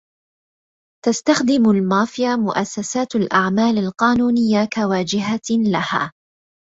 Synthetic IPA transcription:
t̪ast̪axd̪ɪmʊlmaːfɪjamʊʔasːasaːt̪alʔaʕmaːlalqɑːnuːnɪjːakawaːd͡ʒɪɦalaha̰ː

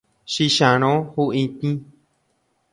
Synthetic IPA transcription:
ʃiʃãɾ̃õhuĩt̪ĩ

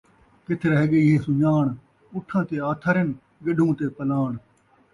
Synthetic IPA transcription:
kɪt̪ʰɾəɦeɠeːɪɦeːsʊɲaːɳ | ʊʈʰːãːt̪eːaːt̪ʰəɾɪn | ɡɪɗʱũːt̪eːpəlaːɳ

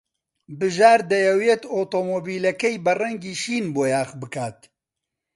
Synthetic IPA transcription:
bɨʒaːɾd̪ɐjɛwjet̪oːt̪oːmoːbiːlɐkɛjbɐrɛŋɡiːʃiːnboːjaːxbɨkaːt̪̚

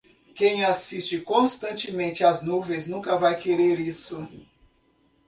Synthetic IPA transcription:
kẽj̃asist͡ʃɪkõst̪ɐ̃nt͡ʃɪmẽnt͡ʃɪaznuvẽjznũkɐvajkeɾeɾisʊ

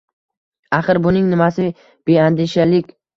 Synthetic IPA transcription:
aχɨɾbʊnɪŋnɪmasɪ | b̥e̞and̪ɪʃalɪkʲ

